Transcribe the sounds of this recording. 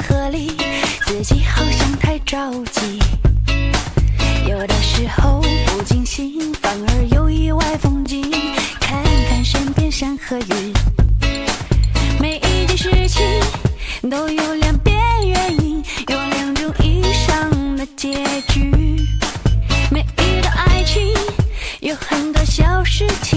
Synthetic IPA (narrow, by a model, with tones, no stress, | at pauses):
xɤ˧˥li˧˩t͡ɕɛ˧˩t͡ɕi˧˥xɑ˥˩ʊɕjɑ˥˧ŋt̪ʰa˥˧ɪʈ͡ʂɑ˥˩ʊt͡ɕi˧˥ | jo˨˩ʊd̪ə˧˦ʂɻ̩˧˥xo˧ʊpu˨˧˩t͡ɕi˥˧ŋɕi˧˥ŋfa˨˩ŋə˧˥jo˧˩ʊi˧˥wa˥˧ɪfʊ˥ŋt͡ɕi˧˥kʰa˥kʰa˧˩nʂə˥npjɛ˥˧nʂə˧˥ŋxɤ˧˥ɥy˧˥n | me˨˩ɪʔi˥də˧˥ʂɻ̩˥t͡ɕʰi˧˥nt̪o˥ʊjo˧˩ʊljɑ˨˩ŋpjɛ˧˥nɥɛ˧ni˧njo˧˩ʊljɑ˨˩ŋʈ͡ʂʊ˧˥ŋʔi˧˥ʂɑ˥˧ŋd̪ə˨t͡ɕjɛ˧˥t͡ɕy˧ | me˨˩ɪi˧˥d̪ə˧ʔa˥ɪt͡ɕʰi˥njo˧˩ʊxə˨˩nt̪wɔ˥ɕjɑ˧˥ʊʂɻ̩˥t͡ɕʰi˧